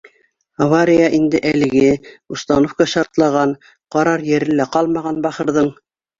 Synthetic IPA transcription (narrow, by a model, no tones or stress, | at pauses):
ɐvaɾʲijaʔind̪ɘʔælɘ̆ɡɘust̪ɑnofkɑʃɑɾt̪lˠɑʁɑn | qɑɾɑɾjɘ̆ɾɘ̆læqɑlˠmɑʁɑnbɑχɤ̆ɾðɤɴ